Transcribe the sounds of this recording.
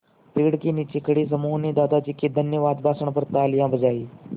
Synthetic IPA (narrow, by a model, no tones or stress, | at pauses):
peːɽkiniːt͡ɕikəɽiːs̬əmuːɦnid̪aːd̪ʱat͡ɕikːid̪ʱənjəʋaːd̪bʱaːsəɳ̃pəɾt̪aːljãbʱəd͡zaːiː